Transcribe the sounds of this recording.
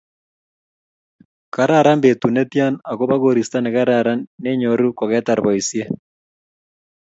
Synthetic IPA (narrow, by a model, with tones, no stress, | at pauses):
ka˨ɾa˦˨ɾa˦mbe˨tu˨ne˦tja˦na˨ɣo˦βa˦ɣo˨ɾi˨sta˦ne˨ɣa˦ɾaɾa˦ne˦ɲo˨ɾu˦ko˨ɣɛ˦ta˨ɾβɔ˨isje˦